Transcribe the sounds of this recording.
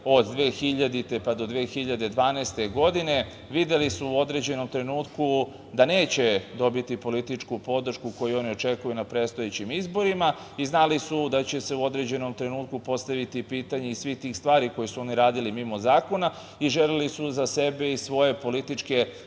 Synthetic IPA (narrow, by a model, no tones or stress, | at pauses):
o̞d̪d̪ʋeːxiʎad̪it̪e̞pad̪o̞d̪ʋeːxiʎad̪e̞d̪ʋaːnɛːst̪e̞ɡo̞d̪ine̞ | ʋid̪e̞lisuuo̞d̪ɾe̞d͡ʑe̞no̞mt̪ɾe̞nuːt̪ku | d̪aneːt͡ɕe̞d̪o̞bit̪ipo̞lit̪it͡ʂkupo̞d̪ɾ̩ʃkuko̞juo̞nio̞t͡ʃe̞kujunapɾeːt̪st̪o̞jet͡ɕimizbo̞ɾima | iznalisud̪at͡ɕe̞se̞uo̞d̪ɾe̞d͡ʑe̞no̞mt̪ɾe̞nuːt̪kupo̞st̪aʋit̪ipiːt̪aɲe̞isʋixt̪iːxst̪ʋaːɾiko̞jesuo̞niɾaːd̪ilimimo̞zaːko̞na | iʒelelisuzase̞beisʋo̞je̞po̞lit̪it͡ʃke̞